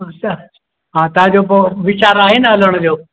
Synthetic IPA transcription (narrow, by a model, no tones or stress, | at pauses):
ɦãt̪ad͡ʑopəʋit͡ɕaɾaɦenaələɳ̃d͡ʑo